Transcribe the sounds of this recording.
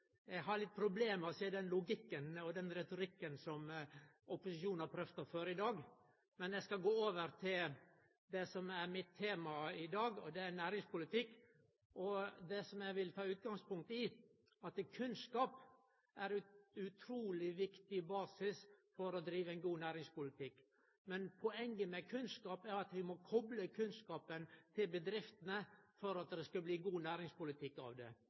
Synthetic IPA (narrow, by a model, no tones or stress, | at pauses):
jæɡɦɑɾɭɪt̪̚ːpʰɾʊbleːmɔsiːəd̪ɛnlʊɡɪkːənɔd̪ɛnɾɛt̪ʊɾɪkːənsɔm | ʊpʊsɪʃuːnnhɑɾpʰɾœft̪ɑføːɾəɪd̪ɑːɡ | mɛnjæɪskɑɡoːoːʋəɾt̪ʰɪl | d̪ɛsɔmæɾmɪt̪ʰːeːmɑɪd̪ɑːɡɔ̰d̪ɛæɾnæːɾɪŋspʊlɪt̪ʰɪkː | ʔɔd̪ɛsɔmjæʋɪlt̪ʰɑːʉːt̪̚ɡɑŋspʊŋk̚t̪ɪ | ɑt̪kʰʉnskɑːp | ʔæɾʉʉt̪ʰɾuːlɪʋɪkt̪ɪbɑːsɪsfɔɾɔd̪ɾiːʋəɛnɡuːnæːɾɪŋspʊlɪt̪ʰɪkː | mɛnpʰɔɛŋːəmɛkʰʉnskɑːpæɾɑt̪ʋɪmɔkʰɔbləkʰʉnskɑːpənt̪ʰɪlbəd̪ɾɪft̪ənəfɔɾɑt̪̚d̪ɛskɑbliːɡuːnæːɾɪŋspʊlɪt̪ʰɪkːɑ̰ʋd̪ɛ̰